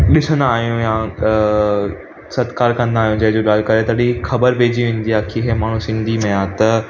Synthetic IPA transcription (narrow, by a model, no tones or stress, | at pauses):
ɗɪsənaːɦijũjãː | sɐt̪kaːɾkɐ̃nd̪aːijũd͡ʑɐɦɪd͡ʑoːɠaːl̤kɐɾet̪ɐɗixɐbəɾʋeːd͡ʑiʋẽːn̆d̪iaːkʰiɦemaːɳ̤ũsɪ̃nd̪ʱimẽaːt̪ɐ